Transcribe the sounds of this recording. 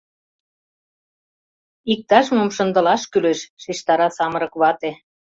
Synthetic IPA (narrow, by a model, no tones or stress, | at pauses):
ik̚t̪ɑʃmomʃə̆nd̪ə̆lɑʃkyleʃʃiʃt̪ɑɾɑsɑmə̆ɾɤ̆kβɑt̪e